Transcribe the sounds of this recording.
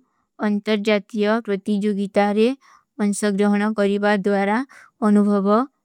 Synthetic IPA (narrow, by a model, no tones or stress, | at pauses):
ənt̪əɾd͡ʒat̪ijəpɾʌt̪id͡ʒoɡit̪aɾe | mənsɔɡɾɔɦɳ̃ɔkɔɾibad̪ʋaɾa | ənubʱɔʋɔ